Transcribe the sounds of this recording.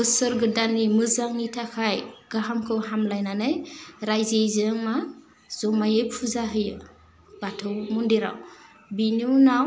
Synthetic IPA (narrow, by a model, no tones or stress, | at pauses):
ɯsɯɾɡɯdanimɯzaŋitʰakʰajɡ̥aɦamkʰɯwɦamlajnanɯjɾajzejzɯŋma | z̥ɔmajejpʰuzaɦɯjɯ̰ | b̥atʰɯwmundiɾa̰w | binunaw